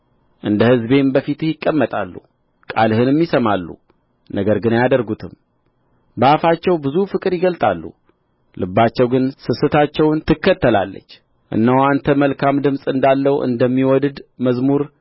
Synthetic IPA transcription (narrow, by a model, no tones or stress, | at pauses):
ʔɨnd̪əhɨzbe̞mbəfit̪ɨhjɪkʼːəmːət̪ʼa̰lːṵ | kʼa̰lɦɨnɛmːisəmalːṵ | nəɡəɾɡɨnajad̪əɾɡut̪ʰɨm | bəafat͡ʃːɛwbɨzufɨkʼɨɾjɪɡəlt̪ʼa̰lːṵ | lɨbːat͡ʃːɛwɡɨnsɨsɨt̪ʰat͡ʃːɛwnt̪ʰɨkːət̪ːəla̰lːə̰t͡ʃː | ʔɨ̰nːəwant̪ʰəməlkʰamd̪ɨmsʼɨnd̪alːəwʔɨ̰nd̪əmːiwɔd̪ɨd̪məzmuɾ